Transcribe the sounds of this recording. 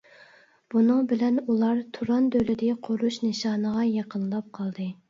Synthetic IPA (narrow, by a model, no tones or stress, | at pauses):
b̥unɨŋbɪlɛnulˠɑɾt̪ʰuɾɑnd̪ølɪd̪ɪqʰoɾuʃnɨʃɑːnəʁɑjɑqʰənlˠɑp̚qʰɑlˠd̪ɨ